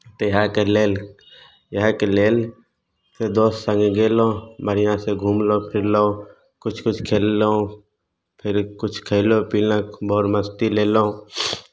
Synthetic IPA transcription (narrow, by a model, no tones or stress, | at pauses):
t̪ojɦãkeleːl | jɦãkeleːl | sed̪oːssə̃ŋɡɡeːloməɾɪjãseɡʱuːmlopʰɪɾlo | kʊt͡ʃʰkʊt͡ʃʰkʰeːlːo | pʰɪɾkʊt͡ʃʰkʰeɪlopiːlãboːɾməst̪ileːloː